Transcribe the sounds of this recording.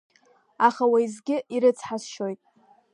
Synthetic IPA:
aχawaizɡʲɪiɾɨt͡sʰħasʃo̞jtʼ

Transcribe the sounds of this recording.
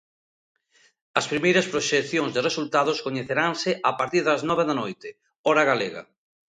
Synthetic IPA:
ɐspɾimejɾɐspɾoʃekθjoŋzðɪresult̪að̞ʊskoɲeθeɾaŋsɪʔapaɾt̪iɾðɐznɔβeðɐnojt̪ɪ | ɔɾɐɣaleɣɐ̰

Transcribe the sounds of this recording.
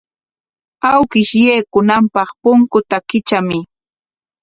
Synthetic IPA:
awkɪʃjeːkʊnampɑχpʊŋkʊt̪akɪt͡ʃamɪ

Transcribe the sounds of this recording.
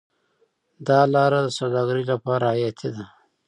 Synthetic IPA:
d̪ɑlɑɾad̪əsawd̪ɑɡəɾilapɑɾajat̪ʰid̪a

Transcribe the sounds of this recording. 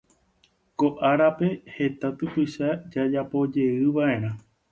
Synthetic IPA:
ko̞ʔaɾape̞he̞t̪at̪ɨpɨʃad͡ʒad͡ʒapo̞d͡ʒe̞ɨʋaʔẽ̞ɾ̃ã

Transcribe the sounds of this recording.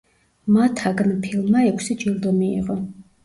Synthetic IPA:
mat̪ʰaɡnpʰilˠmːaɛkʷʰsid͡ʒilˠd̪ɔmḭːʁɔ

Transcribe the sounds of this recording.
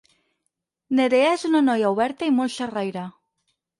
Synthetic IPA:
neðeaesunanojauβɛɾt̪aimolʃarajɾa

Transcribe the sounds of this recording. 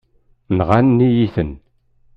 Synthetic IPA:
nʁanːijiθən

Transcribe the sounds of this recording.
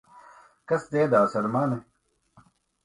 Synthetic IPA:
kɐsd̪eːd̪aːsɐɾmaːne

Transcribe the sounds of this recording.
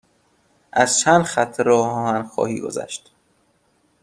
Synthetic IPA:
ʔæz̥t͡ʃʰænd̪xæt̪ʰːeɾɒːhɒːhænxɒ̰ːhḭːɡo̞̰zæ̰ʃt̪

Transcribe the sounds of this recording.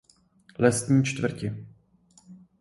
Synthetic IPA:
lɛst̪ɲiːt͡ʃt̪vr̩cɪ

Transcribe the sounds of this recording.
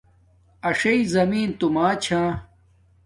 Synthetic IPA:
ɐʂɐizɐmiːnt̪umaːt͡ɕʰãː

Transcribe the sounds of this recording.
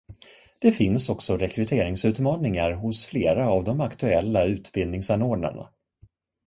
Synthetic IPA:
d̪̥ɛfɪnsɔksɔɾɛkʰɾɵt̪ʰeːɾɪŋsʉ̟ːt̪mɑːnɪŋaɾɦʊsfleːɾaːvd̪ɔmakt̪ɵɛlːaʉ̟ːt̪bɪld̪nɪŋsanoːɖɳa̰ɳa̰

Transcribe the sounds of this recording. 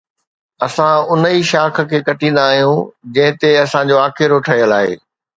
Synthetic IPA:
ɐsãʊnəiʃaːkʰə̆kʰeːkɐʈĩːn̆d̪aːɦijũd͡ʑɐ̃ɦɪ̃t̪eɐsãd͡ʑoːaːxɪɾoʈʰɐɦijəlaːɦḛː

